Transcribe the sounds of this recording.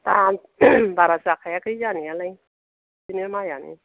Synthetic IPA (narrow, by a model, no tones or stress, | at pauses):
t̪a | baɾasakʰajakʰɯjanialaj | sinimajanḭ